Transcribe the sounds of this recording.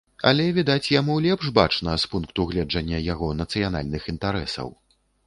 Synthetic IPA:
ɐ̰lʲɛvʲid̪at͡sʲjamulʲɛpʂba̰t͡ʂnɐspunkt̪uɣlʲɛd͡ʐɐnʲːɐjaɣɔnɐt̪sɨjana̰lʲnɨxint̪aɾɛsɐ̰w

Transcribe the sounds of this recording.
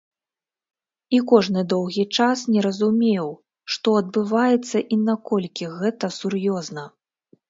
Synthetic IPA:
ikɔʐnɨd̪ɔwɣʲit͡ʂasnʲɛɾɐzumʲew | ʂt̪ɔɐd̪̚bɨvajɛt̪sːɐʔinakɔlʲkʲiɣɛt̪ɐsurjɔznɐ

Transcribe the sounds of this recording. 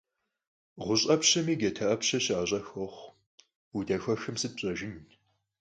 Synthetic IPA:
ʁʷʊɕʼɐpɕɐmiːɡɐtʰɐʔɐpɕɐɕaːɕʼɐxɔχʷ | udɐxʷɐxɨmsɨd̚ɕʼɐʒɪn

